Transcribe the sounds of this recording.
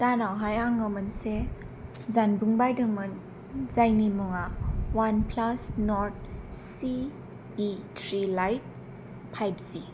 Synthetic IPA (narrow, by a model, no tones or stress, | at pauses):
tanawɦajaŋɯmɯnse | zanbuŋbajdɯŋmɯn | zajnimuŋawanpʰlasnɔɾt̚siː | tʰɾilajt̚ | pʰajbzi